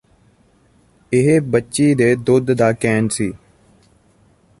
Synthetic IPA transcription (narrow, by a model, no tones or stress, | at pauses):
ɪɦbətːʃiːd̪eːd̪ʊd̪d̪aːkɛːnsiː